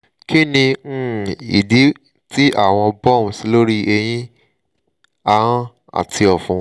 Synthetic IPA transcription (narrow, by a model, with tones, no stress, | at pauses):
ki˦nĩ˧n̩˦˨ḭ˨di˨˦ | ti˦a˦˨w̃ɔ̃˧bɔ˦˨ũ˧si˧lo˦ɾi˦e˧j̃ĩ˦ | ã˧ã˦ | a̰˦˨tʰi˧ɔ˨fũ˨˦